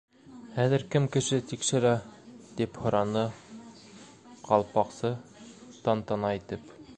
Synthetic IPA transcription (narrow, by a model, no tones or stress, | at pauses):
hæðɘ̆ɾkɘmkɘ̆ʃɘt̪ikʃɘ̆ɾæt̪iphŏɾɑnɤ | qɑlˠpɑqsɤt̪ɑnt̪ɑnɑit̪ɘp